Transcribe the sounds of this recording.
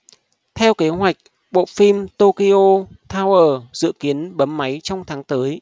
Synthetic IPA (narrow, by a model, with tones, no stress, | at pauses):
t̪ʰɛ˧wke˨˦ɦwa˨˩jk̟̚ | ɓo̰˧˨fi˧mt̪o˧ki˧ʔo˧t̪ʰaː˧wʔəː˧˩zɨ̰˧˨ki˨˦ənɓə˨˦mːa˨˦jt͡ɕɔ˧wŋ͡mt̪ʰaː˨˦ŋt̪əː˨˦j